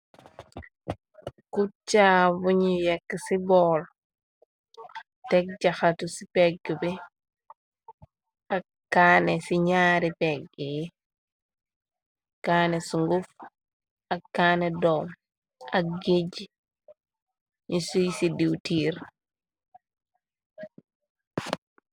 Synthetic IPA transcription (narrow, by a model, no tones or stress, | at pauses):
kut͡ʃabuɲijɛkːsibɔːl | tɛk̚d͡ʒaxatusipɛɡibɛ | a | kːaːnɛsiɲaːɾipɛɡij | kaːnesuŋɡuf | ɐkːaːnɛdɔm | ɐk̚ɡeɟi | ɲisujsidiwtiːɾ